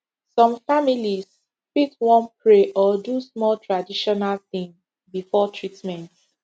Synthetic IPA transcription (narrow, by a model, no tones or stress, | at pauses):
sɔ̃mfamilis | pitwɔ̃npɹeʔɔdusmɔltʰɹadiʃɔnalθĩŋ | bifɔtʰɹitmɛ̃nt